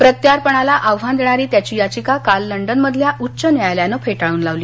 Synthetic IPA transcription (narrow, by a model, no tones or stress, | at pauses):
pɾət̪jaɾpəɳalaʔaʋʋand̪eɳ̃aɾiːt̪jat͡ɕiːjat͡ɕikakalːəɳɖənməd̪ʱljaʔutːɕənjajljanəfʰeʈaɭuːnlaʋliː